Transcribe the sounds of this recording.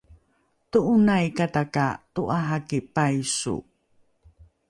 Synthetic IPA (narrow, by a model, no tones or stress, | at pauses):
tuʔunajkatakatuʔaɦakipajsṵ